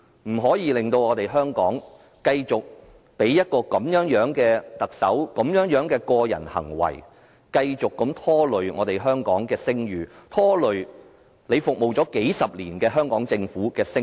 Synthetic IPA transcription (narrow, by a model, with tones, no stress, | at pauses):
m̩˨˩ɦɔː˨˥jiː˨˧lɪ˨˧ŋt̪o˧wŋɔː˨˧t̪e˨jɦœː˥ŋkɔː˨˥ŋ | kɐ˧jt͡sʊ˨k̚ | pe˨˥jːɐ˥t̚kɔː˧kɐ˨˥mjœː˨˥ŋjœː˨˥ŋkɛː˧t̪ɐ˨k̚sɐ̰˨˥wkɐ˨˥mjœː˨˥ŋjœː˨˥ŋkɛː˧kɔː˧jɐ̰˨˩nhɐ̰˨˩ŋwɐ̰˨˩j | kɐ˧jt͡sʊ˨kːɐ˨˥mt̪ʰɔː˥lɵ˨˧ɥŋɔː˨˧t̪e˨jɦœː˥ŋkɔː˨˥ŋkɛː˧sɪ˥ŋjyː˨˧t̪ʰɔː˥lɵ˨ɥ | le˨˧jfʊ˨k̚mo˨˩wt͡sɔː˨˥ke˨˥jsɐ˨p̚liː˨˩nkɛː˧ɦœː˥ŋkɔː˨˥ŋt͡sɪ˧ŋfuː˨˥kɛː˧sɪ˥